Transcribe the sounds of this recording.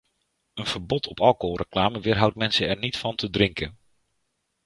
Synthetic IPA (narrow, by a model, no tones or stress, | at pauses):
ənv̥əɹbɔtʰɔpɑlˠkorəklaːməʋɪːɹɦʌwtmɛnsəɛɹnitfɑntʰədrɪŋkən